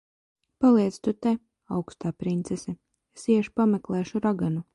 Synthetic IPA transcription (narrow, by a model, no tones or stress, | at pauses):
palˠiɛt̪st̪ut̪ɛ | awkst̪aːpɾint̪sɛsɛ | esiɛʃpamɛklˠɛːʃuɾaɡanu